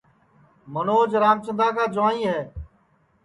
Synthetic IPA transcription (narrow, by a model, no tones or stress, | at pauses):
mənoːd͡ʒɾaːmt͡ʃənd̪aːkaːd͡ʒʊaːnĩːɦɛː